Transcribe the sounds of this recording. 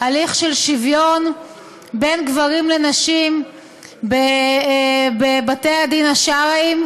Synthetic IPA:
aliχʃelʃivjo̞n | be̞nɡvaʁimle̞naʃim | be | bebatejadinaʃaʁaim

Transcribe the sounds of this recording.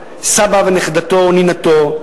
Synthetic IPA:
sabaveneχd̪at̪ooninat̪o

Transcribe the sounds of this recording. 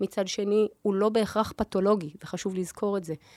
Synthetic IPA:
mit͡sadʃe̞niulo̞be̞ːχʁaχpato̞lo̞ɡiveχaʃuvlizkʰo̞ʁetze̞

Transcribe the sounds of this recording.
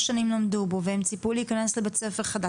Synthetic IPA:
ʃanimlomdubo̞vehemt͡sipuliːkane̞slebet͡se̞feʁχada

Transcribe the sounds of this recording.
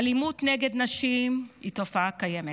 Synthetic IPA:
alimut̪neɡed̪naʃimitofaakajeme

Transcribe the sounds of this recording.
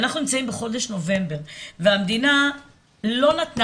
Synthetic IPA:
naχnunimt͡saimbeχo̞d̪eʃno̞ve̞mbeʁveamd̪ina | lo̞nat̪n

